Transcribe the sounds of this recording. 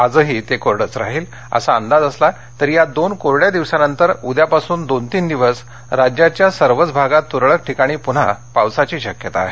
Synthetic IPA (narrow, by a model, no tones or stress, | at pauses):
ad͡zəɦiːt̪ekoɾɽət͡sɾa̰ɦiːl | ə̰saənd̪ad͡zəsla | t̪əɾijad̪onkoɾɽjad̪iʋsanənt̪əɾud̪japasuːnd̪ont̪iːnd̪iʋəs | ɾad͡ʑjat͡ɕjasəɾʋət͡sbʱaɡat̪ːuɾɭək̚ʈʰikaɽ̃iːpuɽ̤a̰pawsat͡ɕiːɕəkjət̪a̰ɦe